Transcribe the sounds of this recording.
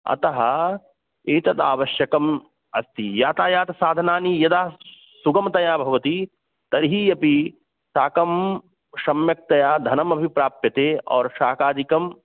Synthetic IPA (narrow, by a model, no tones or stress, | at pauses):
ɐ̰t̪ɐɦɐ̆ | eːt̪ɐt̪aːʋɐʃjɐkɐm | ɐst̪ijaːt̪aːjaːt̪ɐsaːd̪ʱɐnaːnijɐd̪aː | suɡɐmɐt̪ɐjaːbʱɐʋɐt̪i | t̪ɐɾɦiːjɐpi | saːkɐm | ʃɐmjɐk̚t̪ɐjaːd̪ʱɐnɐmɐbʱipɾaːpjɐt̪eːɔːɾʃaːkaːd̪ikɐm